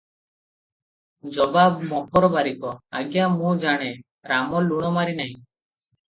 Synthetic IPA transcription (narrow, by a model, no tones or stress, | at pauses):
d͡ʒɔbabmɔkʰɔɾɔbaɾikɔa̰ɡjamũd͡ʒaɽ̃e | ɾamɔlːuɽ̃ɔmaɾinaɦĩ